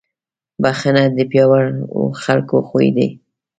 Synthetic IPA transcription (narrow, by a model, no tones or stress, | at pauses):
baxanad̪əpjɑwaɾ̰xalkoxojd̪ḛ